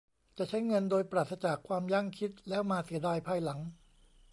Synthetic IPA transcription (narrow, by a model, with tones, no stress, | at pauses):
t͡ɕa˨˩t͡ɕʰa˦˥jŋɤ˧ndoː˧jpɾaː˨˩t̪̚ʰsa˧t͡ɕaː˨˩kʰwaː˧mja˥˩ŋkʰi˦˥t̪̚lɛː˦˥wmaː˧si˨˩˦ɐdaː˧jpʰaː˧jla˩˦ŋ